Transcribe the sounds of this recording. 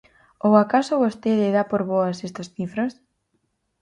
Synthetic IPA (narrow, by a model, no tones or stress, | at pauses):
oakasoβost̪eðeðapoɾβoasest̪osθifɾos